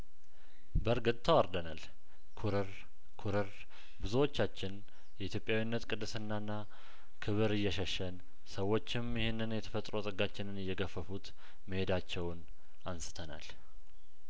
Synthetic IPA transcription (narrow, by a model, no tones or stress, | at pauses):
bəɾɡɨt̪ʼt̪ʰːawaɾd̪ənal | kʰuɾɨɾ | kʰuɾɨɾ | bɨzuwo̞t͡ʃːat͡ʃːɪn | jɛit̪ʰjo̞pʼjawinːət̪kʼɨd̪ːɨsɨnːanːa | kʰɨβɨɾɨjːɛʃəʃːən | səwo̞t͡ʃːɪmjɪhunːɨnjɛt̪ʰə̥fət̪ʼɾot̪ʼəɡat͡ʃːɪnɨnɨjːɛɡəfːəfut̪ | məhe̞d̪at͡ʃːɛwn | ansɨ̥t̪ʰəna̰l